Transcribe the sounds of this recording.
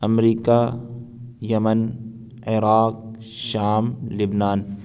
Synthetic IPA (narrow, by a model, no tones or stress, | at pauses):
ɐmɾiːka | jɐmən | ɪɾaːk̚ | ʃaːmlɪbnaːn